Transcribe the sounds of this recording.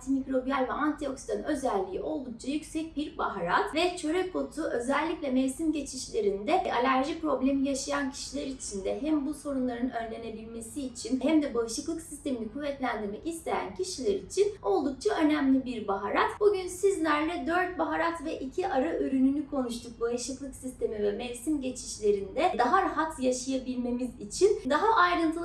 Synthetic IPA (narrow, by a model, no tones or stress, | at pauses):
t̪ʰimicɾo̞bijalʲvɛant̪ʰio̞ksid̪anø̞zælʲːḭːo̞lˠd̪uk̚t͡ʃʰajycʲsɛc̚biɾbaɦaɾat̪vɛt͡ʃʰø̞ɾɛkʰːo̞t̪ʰuʔø̞zælʲːiclʲɛmelsimɟe̞t͡ʃʰiʃlʲe̞ɾind̪ɛalʲæɾʒipɾo̞blʲe̞mijaʃajancʰi̥ʃilʲɛɾit͡ʃʰind̪ɛɦæmbuso̞ɾunlˠaɾɯnøɾlʲe̞ne̞bilʲme̞siːt͡ʃʰinhæmd̪ɛbaɯʃlˠɯklˠɯksist̪e̞minikʰuvːɛt̪lʲænd̪iɾmɛcist̪ʰe̞jæ̰ncʰiʃilʲeɾit͡ʃʰino̞lˠd̪uk̚t͡ʃʰaø̞næmlʲibiɾbaɦaɾat̪buɟynsizlʲæɾlʲɛd̪ø̞ɾt̪̚baɦaɾat̪vɛʔicʰiʔaɾaʔøɾynynykʰo̞nuʃt̪ʰuk̚baɯʃlɯklˠɯksist̪ʰe̞mivɛmɛvsimɟe̞t͡ʃʰiʃlʲe̞ɾind̪ɛd̪aɦaɾaɦat̪ʰjaʃajabilʲme̞mizit͡ʃʰind̪aɦaʔajɾɯnt̪ʰɯ